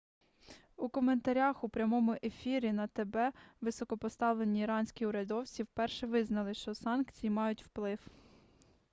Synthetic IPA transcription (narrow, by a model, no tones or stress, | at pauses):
ukɔme̞nt̪ɐɾʲaxupɾʲɐmɔmʊʔefʲiɾʲinɐt̪ebɛʋɪsɔkɔpɔst̪ɑʋlˠe̞nʲiːɾɑnʲsʲkʲiʊɾʲɐd̪ɔwt͡sʲiwpɛrʃɛʋɪznɐlˠɪʃt͡ʃɔsɑnkt͡sʲijimɑjʊtʲwplˠɪw